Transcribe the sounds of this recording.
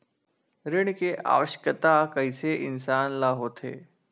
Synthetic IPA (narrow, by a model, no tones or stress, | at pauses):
ɾɪɽ̃keʔa̰ːʋəʃkət̪akɐiseʔɪnsaːnlaːɦoːt̪ʰḛː